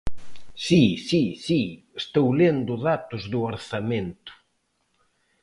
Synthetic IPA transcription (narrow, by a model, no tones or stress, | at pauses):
sisisiest̪owlend̪ʊðat̪ʊzðʊoɾθamẽnt̪ʊ̥